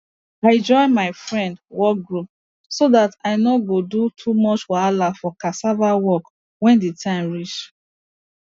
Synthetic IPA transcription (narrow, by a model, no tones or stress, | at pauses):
aɪɛ̃d͡ʒɔɪmaɪfɹɛ̃ndwɔk̚ɡɹup̚ | soðataɪnoɡodutʰumɔt͡ʃwɔalafɔkasavawɔk | wɛ̃nditʰãɪ̃mɹit͡ʃ